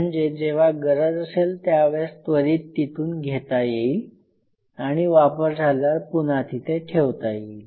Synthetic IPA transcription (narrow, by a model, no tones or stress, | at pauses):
ɳd͡zed͡ʑeʋ̤aɡəɾəd͡zəselt̪jaʋest̪ʋəɾiːt̪ːit̪uːnɡʱet̪ajeil | aɽ̃iʋapəɾd͡zʱaljaɾpunat̪ʰit̪eʈʰeʋt̪ajeil